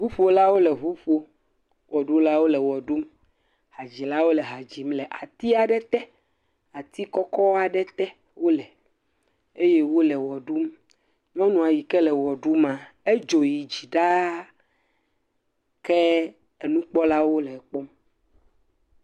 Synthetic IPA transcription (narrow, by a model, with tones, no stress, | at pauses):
ɦu˦ɸo˦la˦wo˦lɛ˨ɦu˦ɸo˦ | wʔɔ˨ɖu˦la˦wo˦lɛ˨wɔ˨ɖu˦m | ha˨d͡ʑi˨la˦wo˦lɛ˨ɦa˨d͡ʑi˨mlɛ˨ʔa̰˨t̪i˦a˨ɖɛ˦t̪ɛ˦ | a˨t̪i˦kɔ˦kɔ˦a˨ɖɛ˦t̪ɛ˦ | wo˦lɛ˨ | e˦je˦wo˦lɛ˨wɔ˨ɖu˦m | ɲɔ̃˦nũ˨a˨ji˨kɛ˦lɛ˨wɔ˨ɖu˦mã˨e˦d͡ʒo˨ji˨d͡ʑi˨ɖa˦ | kɛ˦ | e˨nũ˦k͡pɔ˦la˦wo˦lɛ˨k͡pɔ˦m